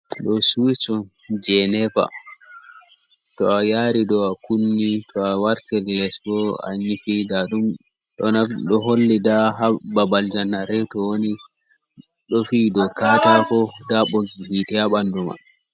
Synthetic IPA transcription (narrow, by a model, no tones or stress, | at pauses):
ɗɔsut͡ʃɔnd͡ʒɛnɛpa̰ | tɔajaːɾidɔakunːitʰɔawaɾtɛllɛsbɔa̰ɲifidaɗum | ɗɔnaɗɔɦolːidaɦababald͡ʒanːaɾɛtɔwoni | ɗɔfidɔkatakɔdaɓoɡihitɛhaɓanduma̰